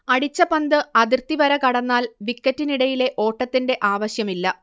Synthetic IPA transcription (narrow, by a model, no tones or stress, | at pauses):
ɐɽit͡ɕːɐpɐnd̪ɨɐðirt̪iʋɐɾɐkɐɽɐnːaːlʋikːɐtːiniɽɐjile̞ʔo̞ːʈːɐt̪ːinde̞ʔaːʋɐɕjɐmilːɐ